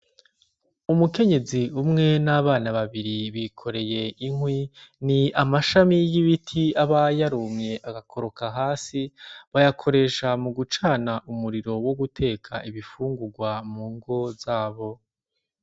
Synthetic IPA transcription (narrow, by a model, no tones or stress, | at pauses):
umuke̞ɲe̞ziumŋe̞naβaːnaβaβiɾiβikʰo̞ɾe̞je̞iŋwiniamaʃamijiβitʰiaβajaɾumɲe̞ʔaɡakʰo̞ɾo̞kaɦaːsiβajakʰo̞ɾe̞ːʃamuɡut͡ʃaːnaʔumuɾiɾo̞wo̞ɡutʰe̞ːkʰaiβifuːŋɡuɡwamuːŋɡo̞zaːβo̞